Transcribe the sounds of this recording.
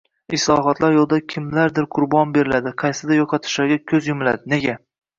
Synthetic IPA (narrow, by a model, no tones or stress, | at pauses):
ɪslˠɒɦɒt̪laɾjolˠd̪akʲʰɪmlaɾd̪ɪɾqʰʊɾbɒnbe̞ɾɪlad̪ɪqʰɑjsɪd̪ajoqʰɑt̪ʰɪ̥ʃlaɾɡʲakʲʰɵzjʊmɪla̰d̪ɪne̞ɡʲa